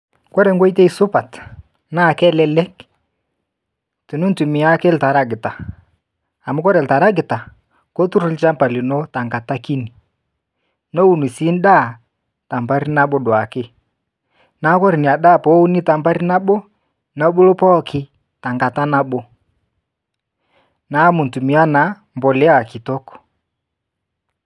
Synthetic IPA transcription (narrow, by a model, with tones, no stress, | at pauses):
kɔ˦ɾɛ˨ŋɡwɔ˦i˦te˦i˨sʊ˦pa˨t | na˦˨kɛ˦lɛ˦lɛ˦k | tu˨nu˦n˦tu˨mɪ˨a˦kɛ˦lta˨ɾa˦ɡɪ˨ta˨ | a˨mʊ˦kɔ˦ɾɛ˨lta˨ɾa˦ɡɪ˨ta˨ | kɔ˦tu˦ɾʊ˦lt͡ʃa˦mpa˨li˨nɔ˦ta˨ŋɡa˨ta˦ki˦ni˨ | nɔ˦wu˨nu˨si˦n˦da˦˨ | ta˨mba˦ɾi˦na˦ɓɔ˦dwa˨kɪ˦ | na˨˦kɔ˦ɾi˨ni˨a˨ɗa˦˨pɔ˨˦u˦ni˦ta˨mba˦ɾi˦na˦ɓɔ˦ | na˨˦ɓo˦lo˦pɔ˦kʰɪ˦ | ta˨ŋɡa˨ta˦na˦ɓɔ˦ | na˨˦mu˨ntu˨mi˨˦a˦na˨˦ | mbɔ˨lɛ˦a˨ki˨tɔ˦kɔ̥˨